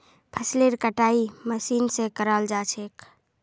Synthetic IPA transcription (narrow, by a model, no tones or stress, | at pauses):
pʰəsleɾkəʈaiməsiːnsekəɾəld͡ʒat͡ʃʰeːk